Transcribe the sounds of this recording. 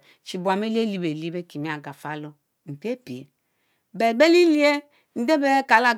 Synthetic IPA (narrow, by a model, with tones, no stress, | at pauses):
t͡ʃi˨bu˨a˨me˦li˦e˦li˦be˨li˦be˦ki˨mi˦a˨ɡa˨fa˨˦lo˦ | m̩˨pi˦e˦pi˨e˨ | be˨ɡ͡be˦li˦li˦e˦ | n̩˦de˦be˦ka˨la˦